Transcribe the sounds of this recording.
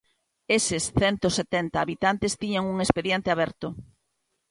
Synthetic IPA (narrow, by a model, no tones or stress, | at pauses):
esesθɛnt̪oset̪ɛnt̪aːβit̪ant̪est̪iɲaŋuŋespeðjent̪eaβɛɾt̪o